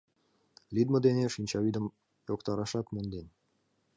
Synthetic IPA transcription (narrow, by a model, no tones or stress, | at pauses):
lʲid̪mə̆d̪eneʃinʲt͡ɕɑyd̪əm | jokt̪ɑɾɑʃɑt̪mond̪enʲ